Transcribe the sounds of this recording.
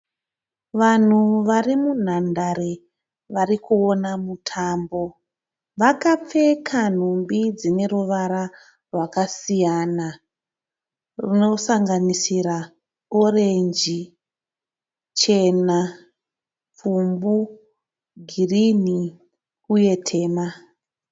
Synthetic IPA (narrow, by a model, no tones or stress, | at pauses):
ʋan̤uʋarimun̤andaɾe | ʋarikuonamutʰaːmbo̞ | ʋakap͡fe̞kʰan̤umbid͡zine̞ruʋaɾa | rwakasijana | rino̞saŋɡanisiɾa | oɾe̞nd͡ʒi | t͡ʃe̞na | pumbu | ɡʱirini | uje̞tʰe̞ːma